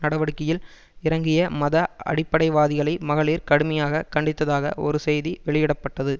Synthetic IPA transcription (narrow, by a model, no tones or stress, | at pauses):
nɐɽɐʋɐɽɯkːɪjɪl | ɪɾɐŋɡɪjɐmɐðɐɐ̰ɽɪpːɐɽɐɪʋaːðɪɣɐɭɐɪmɐɣɐɭiːɾkɐɽɯmɐjaːɣɐkɐɳɖɪt̪ːɐðaːɣɐʔɔ̰ɾɯsɛjðiʋɛɭɪjɪɽɐpːɐʈːɐðɯ